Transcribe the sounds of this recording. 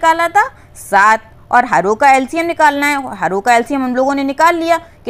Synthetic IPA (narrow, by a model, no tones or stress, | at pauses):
kaːlat̪ʰa | saːt̪̚ʰ | ɔ̰ːɾɦɐɾoːkaɛːlsijɛmnɪkaːlnaɦɛɦɐɾoːkaɛːlsijɛmɐmloːɡõnenɪkaːlːijakɪ